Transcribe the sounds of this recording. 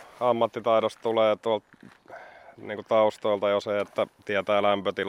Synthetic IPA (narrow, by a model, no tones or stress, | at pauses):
ɑmːɑt̪ːit̪ɑˑiɾost̪t̪uleːt̪uɑlt̪ | niːŋkut̪ɑust̪oˑilt̪ɑjoseet̪ːæt̪iæt̪æːlæmpøt̪il